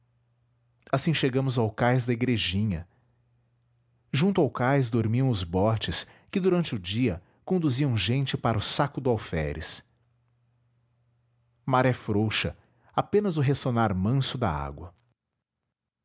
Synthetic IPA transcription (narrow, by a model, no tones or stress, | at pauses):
asĩʃeɡɐ̃mʊzawkajzd̪ɐeɡɾeʒĩɲɐ | ʒũnt̪ʊawkajzd̪oɾmiɐ̃w̃ʊzbɔt͡ʃɪs | kɪd̪uɾɐ̃nt͡ʃɪʊd͡ʒiɐ | kõnd̪uziɐ̃w̃ʒẽnt͡ʃɪpaɾɐʊsakʊd̪ʊawfɛ̰ɾɪ̰s | maɾɛfɾowʃɐ̰ | apẽnɐzʊɦesonaɾmɐ̃sʊd̪ɐ̰a̰ɡwɐ